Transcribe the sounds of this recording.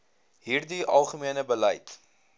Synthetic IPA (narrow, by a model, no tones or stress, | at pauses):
ɦiːrdiʔɐ̰lˠχəmiənəbələjt